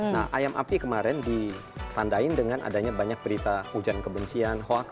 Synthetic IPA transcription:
naʔa̰jamʔa̰pikəmaɾɛndi | t̪andaɪndəŋanʔa̰daɲabaɲak̚bəɾit̪aud͡ʒankəbəɲt͡ʃianhoak

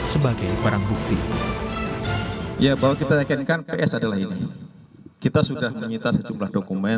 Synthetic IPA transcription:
səbaɡajbəɾaŋbuk̚t̪i | jabaɦwakit̪ajakinkanpeʔɛsadalaɦini | kit̪asudahməɲint̪asəd͡ʒumlahdokumɛ

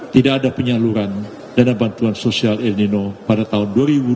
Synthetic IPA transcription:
t̪idaʔːdapəɲaluɾan | danabant̪uansosialɛrninopadat̪aɦʊnduaɾibu

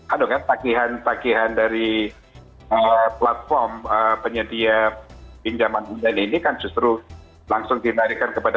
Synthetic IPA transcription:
adokant̪akiɦant̪akiɦandaɾi | əplat̪̚fɔrməpəɲədiapiɲd͡ʒamanundaninikand͡ʒust̪ɾu | laŋsʊŋdilaɾikankəpad

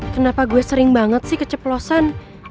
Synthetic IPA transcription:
kənapaɡuɛsəɾɪŋbaŋət̪̚sɪhkət͡ʃəplosan

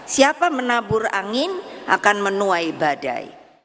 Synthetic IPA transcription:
siapamənabʊra̰ŋɪnʔa̰kanmənuajbada̰jḭ

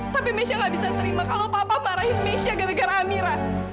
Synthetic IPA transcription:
t̪apimesiaŋɡaʔbisat̪əɾimakalopapamaɾahit̪mesiaɡanəɡaɾaːmiɾa

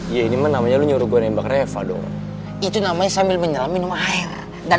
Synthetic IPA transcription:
ijainimanːamaɲaluɲuɾuɡuanambakɾajafa̰dɔ̰ | it̪unamaɲasambɪlməɲalaminumaair | ɡa

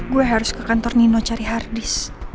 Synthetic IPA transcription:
ɡuaɦaɾʊskəkant̪ɔrninot͡ʃaɾiɦardɪs

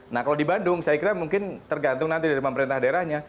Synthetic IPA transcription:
nahkaladibandʊŋsajakiɾamuŋkɪnt̪ərɡant̪ʊŋnant̪idaɾipəmpəɾint̪ahdaeɾahɲa

